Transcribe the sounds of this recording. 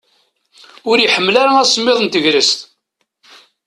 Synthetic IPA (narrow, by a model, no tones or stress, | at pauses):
ʊɾjiħəmːlaɾaæsmːɪðˤənt̪əʝɾəst̪